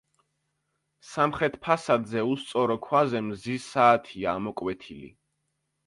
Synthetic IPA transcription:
samχɾɛt̪ʰpʰasad̪zɛust̪sʼɔɾɔkʰwazɛmzisaːt̪ʰiaːmɔkʼwɛt̪ʰilḭ

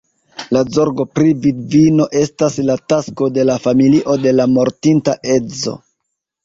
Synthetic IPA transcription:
lazo̞ɾɡo̞pɾividvino̞ʔe̞staslatasko̞de̞lafamiliʔo̞de̞lamo̞ɾtintaʔe̞zo̰

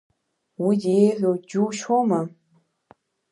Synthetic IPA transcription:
wijeħʷod͡ʒuːʃoma

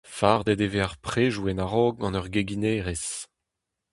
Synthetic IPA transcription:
faːʁd̪ed̪eveaʁpχeːʒuɛnaʁɔːɡ̚ɑ̃nœʁɡeɡineːʁes

